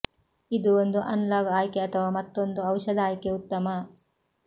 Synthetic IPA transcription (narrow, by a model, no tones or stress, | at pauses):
id̪uond̪uʔɐnlaːɡɐaːjkeɐt̪ʰɐʋaːmɐt̪ːo̞nd̪uɐwʃɐd̪aːjkeut̪ːɐmɐ